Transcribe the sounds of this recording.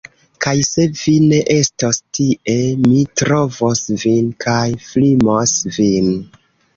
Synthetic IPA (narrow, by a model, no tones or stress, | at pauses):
kajse̞vine̞ʔe̞stostiʔe̞mitɾo̞vosvinkʰajflimosvin